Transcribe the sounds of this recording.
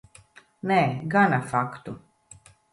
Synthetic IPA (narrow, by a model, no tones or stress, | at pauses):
nɛɡanafakt̪u